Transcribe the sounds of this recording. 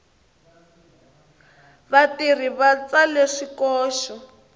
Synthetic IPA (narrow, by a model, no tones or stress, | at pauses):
βatir̤iβat͡saleʂikɔːʃɔ